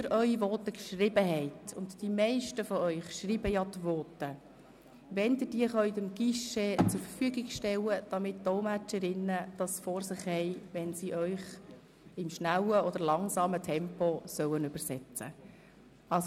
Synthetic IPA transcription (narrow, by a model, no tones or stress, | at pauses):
əɾʔœʏiʋɔːt̪əkʃrɪbəɦɛɪtʊntd̥imɛɪʃtəfɔœʏχʃriːbəjɑtʋɔːtə | ʋɛnd̪ɪd̥iəχœʏtɪmɡ̥iʃɛt͡sʊɾfəɾfyəɡɪɡʃtɛwəd̥ɑmɪt̚d̥ɔmæt͡ʃəɾɪnːəd̥ɑsfɔɾsɪχhɛɪʋɛnsiʔœʏχ | ɪmʃnæwəɔd̥̪əɾlɑŋsɑːmətʰɛmpɔsœwənʉbəɾsɛt͡sə̰ | ɑls